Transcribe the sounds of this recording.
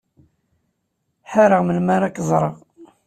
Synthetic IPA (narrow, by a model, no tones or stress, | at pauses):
ħaɾəʁməlmaɾˤakːzˤɾˤəʁ